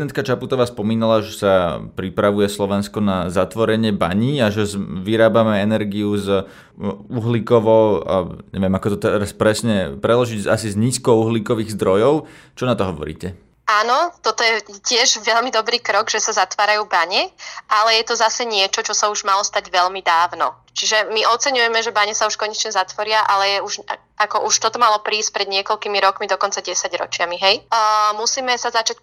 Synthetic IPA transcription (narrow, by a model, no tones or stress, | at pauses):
d̪ɛnt̪̚kat͡ʃaput̪ɔʋaːspɔmiːnalaʒɛsapɾipɾaʋujɛslɔʋɛnskɔnazat̪ʋɔɾɛɲɪɛba̰ɲiːaʒɛzʋiɾaːbamɛɛnɛɾɡiuz | uɦlikɔʋɔʊ̰ɲɛ̰ʋɪɛmakɔt̪ɔt̪ɛɾaspɾɛsɲɛpɾɛdlɔʒiɟa̰sizɲiːskɔʊuɦliːkɔʋiːɣzd̪ɾɔjɔʊt͡ʃɔnat̪ɔɦɔʋɔ̰ɾḭːcɛ | aːnɔt̪ɔt̪ɔjɛcɪɛʒʋɛʎmid̪ɔbɾiːkɾɔɡʒɛsazat̪ʋaːɾajuːbaɲɛʔalɛjɛt̪ɔzasɛɲɪɛt͡ʃɔt͡ʃɔsauʒmalɔst̪aɟʋɛʎmid̪aːʊnɔ̰ | t͡ʃiʒɛmiʔɔt͡sɛɲujɛmɛʒɛbaɲɛsauʃkɔɲɛt͡ʃɲɛzat̪ʋɔɾɪaʔalɛjɛuʒ | akɔʔuʃt̪ɔt̪ɔmalɔpɾiːsc̚pɾɛd̪ɲɪɛkɔʎkiːmiɾɔkmid̪ɔkɔnt͡saɟɛsaɟɾɔ̰t͡ʃɪamiɦɛjmusiːmɛsazat͡ʃac̚